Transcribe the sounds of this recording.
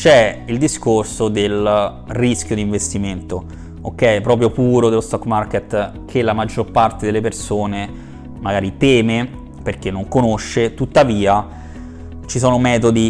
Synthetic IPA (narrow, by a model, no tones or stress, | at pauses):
t͡ʃɛild̪iskorsod̪el | risk̟jod̪iːɱvest̪iment̪o | okːɛjɛpːɾɔːp̬ɾjopuːɾod̪elːost̪ɔkmarket̪ | kʰelamad͡ʒːorpart̪ed̪elːepersoːne | maɡaːɾit̪ɛːme | perk̟enːoŋkonoʃːet̪ut̪ːaviːa | t͡ʃisoːnomɛːt̪od̪i